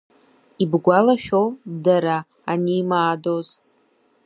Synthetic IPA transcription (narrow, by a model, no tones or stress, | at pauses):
ibɡʷalaʃᶣodaɾaː | niːmaːdo̞z